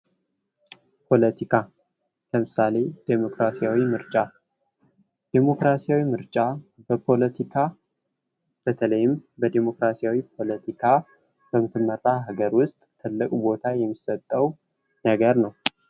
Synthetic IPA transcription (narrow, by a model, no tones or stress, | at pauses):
pʰo̞lət̪ʰikʰa | kʰəmɨsale̞d̪̥emo̞kɾasijawimɨɾt͡ʃʼa | d̪̥emo̞kɾasijawimɨɾt͡ʃʼabəpʰo̞lət̪ʰikʰa | b̥ət̪ʰələjɪmbəd̪emo̞kɾasiawipʰo̞lət̪ʰikʰa | b̥əmɨt̪ʰɨmːəɾt̪ʼaɦaɡəɾwʊst̪ʼt̪ʰɨlːɨkʼbo̞t̪ʰajɛmːisət̪ʼːəw | nəɡəɾnəw